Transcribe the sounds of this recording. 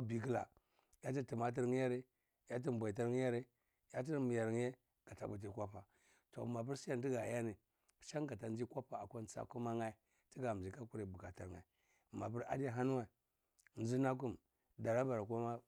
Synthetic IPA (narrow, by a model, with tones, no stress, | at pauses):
a˦bi˨k̬i˦la̰˨ | ja˦t̬i˦ti˨ma˦t̬i˦ɾŋ˦ja˦ɾi˦˨ | ja˦t̬i˦m˨bʷa˨i˨t̬a˦ɾŋi˦ja˦ɾi˦ | ja˦t̬i˦ɾmi˨ja˨ɾŋ˦e˦ | ɡ̥a˨ta̰˨bu˨t̬i˦kʷa˦pa˨ | to̰˨ma˨p̬u˦ɾsi˦a˦n˨ti˦ɡa˨ja˦ni˨ | ʃa˦ŋɡa˨ta˨n˦d͡ʒi˦kʷa˦pa˨a˨kʷa˦nt͡sa̰˦ku˦ma˦ŋa˦i˨ | ti˦ɡa˨i˨ka˦ku˦ɾi˨bu˨ka˨ta˨ɾŋa˨i˨ | ma˨pu˦ɾa̰˦da˦˨ɦa˦nu˦a˨i˨ | n˦d͡ʒi˦na˦k̬u˦m | da˨ɾa˦ba˨ɾa˨kʷa˦ma˦